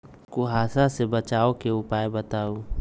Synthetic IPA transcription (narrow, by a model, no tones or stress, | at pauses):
kʊɦaːsasebət͡ʃaːokeʊpaːebət̪aːu